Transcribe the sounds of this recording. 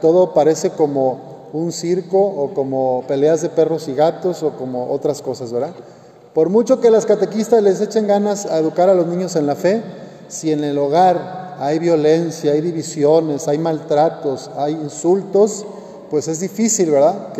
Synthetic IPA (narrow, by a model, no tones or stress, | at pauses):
t̪o̞ðopaɾe̞se̞ko̞mo | unsiɾko̞ːko̞mope̞le̞azðe̞pe̞ro̞siɣat̪o̞so̞ko̞mo̞ʔo̞̰t̪ɾasko̞sazβeɾða | po̞ɾmut͡ʃo̞ke̞laskat̪e̞kist̪azle̞s̬et͡ʃe̞ŋɡanasaeðukaɾalo̞znĩɲose̞nlafe̞ | sie̞ne̞lo̞ɣ̞aɾajβjo̞le̞nsjaajðiβisjo̞ne̞sajmalt̪ɾat̪o̞sajinsult̪o̞s | pwe̞se̞zðifisilβe̞ɾðaðk